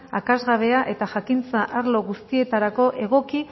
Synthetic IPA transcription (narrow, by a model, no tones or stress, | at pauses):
akazɣaβ̞e̞aʔe̞t̪aʝakint͡saʔaɾlo̞ɣust̪ie̞t̪aɾako̞ʔe̞ɣ̞o̞ki